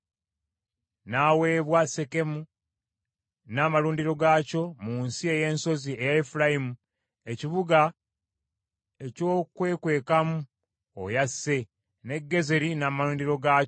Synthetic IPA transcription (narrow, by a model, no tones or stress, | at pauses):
naːwe̞ːβwase̞ke̞mu | naːmaluːndiɾo̞ɡaːco̞muːnsie̞je̞ːnso̞zie̞jaefuɾajimu | e̞ciβuɡa | e̞co̞ːkwe̞ːkwe̞ːkamu | o̰jasːe̞ | ne̞ɡːe̞zeɾinaːmaluːndiɾo̞ɡaː